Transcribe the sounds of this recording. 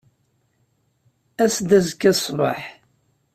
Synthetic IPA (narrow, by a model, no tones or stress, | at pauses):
æsd̪æzkːæsˤbɑ̰ħ